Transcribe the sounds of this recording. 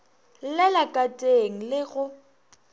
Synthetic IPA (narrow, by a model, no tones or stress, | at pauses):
lɛlakʼatʼeŋ̩lɪɣʊ